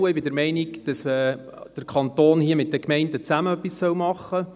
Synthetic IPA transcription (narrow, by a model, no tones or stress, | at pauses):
əɪbɪdəɾmɛɪniɡd̥ɑsmə | d̥əɾkʰɑnt̪oːnhiəmɪt̚d̥əkmɛɪndət͡sæməœpːissœwmɑχːə